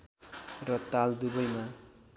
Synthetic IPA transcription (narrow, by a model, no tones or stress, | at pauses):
rʌt̪ald̪ubʌjma